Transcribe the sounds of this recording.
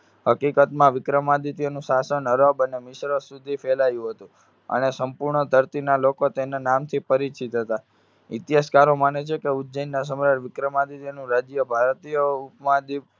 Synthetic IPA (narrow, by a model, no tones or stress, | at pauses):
ɦəkikət̪mãʋɪkɾəmad̪it̪ijonũsasənəɾəbənemɪʃɾəsud̪ʱifɛlajũɦət̪ũ | ə̰nesəmpuɾɳəd̪ʱəɾt̪inalokot̪enanamt̪ʰipəɾit͡ʃʰit̪ɦət̪a | ɪt̪jaskaɾomanet͡ʃʰekeʊd̪d͡ʒəjnːas̬əmɾəɾʋɪkɾəmad̪it̪jonũɾad͡ʒjəbʱaɾt̪ijəupmad̪i